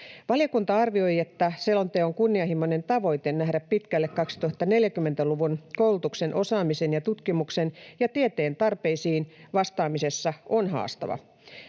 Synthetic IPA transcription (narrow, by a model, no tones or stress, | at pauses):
ʋɑljɑkunt̪ɑɑrʋio̞jet̪ːæselont̪eːoŋkunːiɑɦimːone̞nt̪ɑʋo̞jt̪e̞nːæɦɾæppit̪kælːekkɑksi̥t̪uhɑt̪ːɑne̞ljækymːe̞nt̪æluʋunkowlut̪ukse̞nʔo̞sɑːmisenjɑt̪ut̪kimuksenjɑt̪iet̪e̞ːnt̪ɑrpe̞isiːnʋɑst̪ɑːmise̞sːɑʔonɦɑ̰ːst̪ɑ̰ʋɑ̰